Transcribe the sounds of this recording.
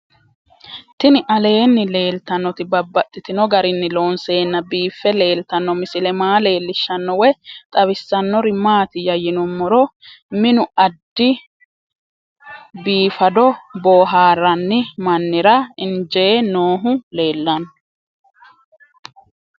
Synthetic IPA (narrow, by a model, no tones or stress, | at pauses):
t̪ɪnɪʔɐle̞ːnːɪle̞ːlt̪ɐnːɔt̪ɪbɐbːɐt̪ʼːɪt̪ɪnɔɡɐɾɪnːɪlo̞ːnse̞ːnːɐbiːfːɛle̞ːlt̪ɐnːɔmɪsɪlɛmaːle̞ːlːɪʃːɐnːɔwɛt̪ʼɐβɪsːɐnːɔɾɪmaːt̪ɪjɐjɪnɔmːɔɾɔ | mɪnʊɐd̪ːɪ | biːfɐd̪ɔboːɦaːɾɐnːɪmɐnːɪɾɐɪnd͡ʒenoːɦʊle̞ːlːɐnː